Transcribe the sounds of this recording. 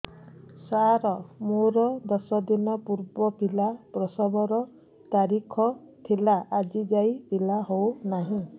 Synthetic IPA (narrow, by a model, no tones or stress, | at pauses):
saɾɔmoɾɔd̪ɔsɔd̪inɔpuɾbɔpilapɾɔsɔbɔɾɔ | t̪aɾikʰɔ | t̪ʰilaʔad͡ʒid͡ʒajilaɦownaɦĩ